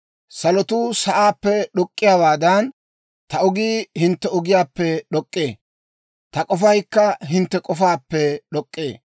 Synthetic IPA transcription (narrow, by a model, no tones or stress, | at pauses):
sɐlɔt̪ʊsɐʔaːpːɛɗɔkʼːɪjaːwaːd̪ɐn | t̪ɐʊɡiːhɪnt̪ːɛʊɡɪjaːpːɛɗɔkʼːeː | t̪ɐkʼɔfɐjkːɐɦɪnt̪ːɛkʼɔfaːpːɛɗɔkʼːḛː